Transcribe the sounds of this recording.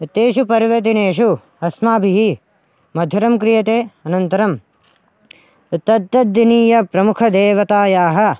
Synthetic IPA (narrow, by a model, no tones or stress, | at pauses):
t̪eːʃupɐɾʋɐt̪̬ineːʃu | ɐsmaːbʱiɦi | mɐd̪ʱjɐɾɐmkɾijɐt̪eːɐnɐnt̪ɐɾɐm | t̪ɐd̪ːɐd̪iniːjɐpɾɐmukʰɐd̪eːʋɐt̪aːjaːɦɐ̆